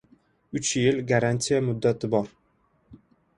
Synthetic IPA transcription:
ʊt͡ʃjɪlɡaɾanʲt̪ijamʊd̪ːat̪ʰɪbɒɾ

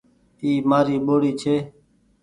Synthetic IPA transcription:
iːmaːɾiːɓoːɽiːt͡ʃʰeː

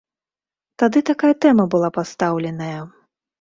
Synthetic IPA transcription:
t̪ad̪ɨt̪akajɐt̪ɛmɐbɨlˠapast̪awlʲɛnɐjɐ

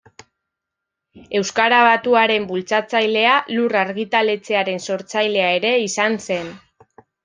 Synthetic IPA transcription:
e̞wskaɾaβ̞at̪uaɾe̞mbult͡sat͡sajle̞aluraɾɣit̪ale̞t͡se̞aɾe̞nso̞ɾt͡sajle̞ae̞ɾe̞isanse̞n

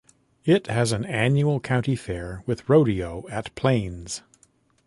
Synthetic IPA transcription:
ɪthɨzɨ̃næ̃njul̩ˠkʰãʊ̃ntifɛɹwɨðɹoʊɾioʊɨtpʰl̥ẽɪ̃nz̥

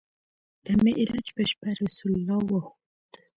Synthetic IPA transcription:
d̪̥əmɪʔɾɑd͡ʒpəʃpaɾasullɑwəxo | d̪̥

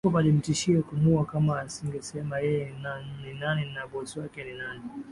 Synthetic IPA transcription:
ɔpalim̩tiʃiɔkunuakamaːsiŋɡɛsɛmajɛjɛnanninaninaɓɔsiwakɛninani

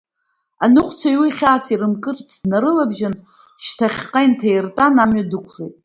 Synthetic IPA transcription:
anɨχʷʰʼt͡sʷʰajwiχʲaːsiɾɨmkʼɨrt͡sʰdnaɾɨlabʒɪn | ʃtʰaχʲqʼajntʰajɪrtʼanamɥadɨkʷʰlejtʼ

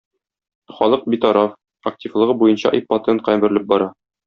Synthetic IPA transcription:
χɒlˠɤq̚bit̪ɒɾɑf | ɐk̚tʲivlˠɤ̆ʁɤbujɤnɕɑ̰ʔipɑt̪eɤnqæmbɘ̆ɾɘlɘp̚bɒɾɑ

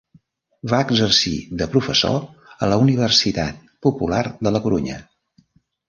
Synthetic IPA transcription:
βaəɡzərsḭðəpɾufəso̰ələuniβ̞ərsit̪a̰t̪̚pupularðələkuɾuɲə̰

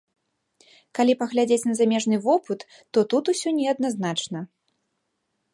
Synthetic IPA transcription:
kalʲipɐɣlʲad͡zʲet͡sʲnɐzamʲɛʐnɨvɔpɨt̪ː | ɔt̪ut̪usʲɔnʲɛɐd̪naznat͡ʂnɐ

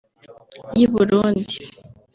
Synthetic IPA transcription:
jiβuɾuːndi

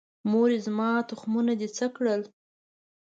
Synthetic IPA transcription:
moɾezmɑt̪ʊxmunad̪et͡səkɽəl

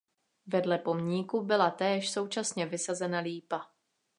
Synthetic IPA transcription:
vɛdlɛpo̞mɲiːkubɪlat̪ɛːʃso̞wt͡ʃasɲɛvɪsazɛnaliːpa

